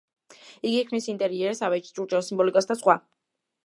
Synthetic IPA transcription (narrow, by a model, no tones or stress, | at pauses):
iɡiːkʰmnisint̪ʼɛɾiɛɾɛsavɛt͡ʃt͡ʃʼuɾt͡ʃʼɛɔsimbɔlikʼɔsd̪asχwa